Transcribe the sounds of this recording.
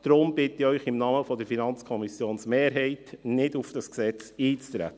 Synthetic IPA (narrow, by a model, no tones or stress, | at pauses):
d̥ɾʊmbɪtɪœʏχɪmnɑːməfɔdəɾfinɑnt͡skʰɔmisjoːnsmeːɾɦɛɪtnɪdufd̥ɑsksɛt͡siːt͡st̪ɾæ̰t̪ːə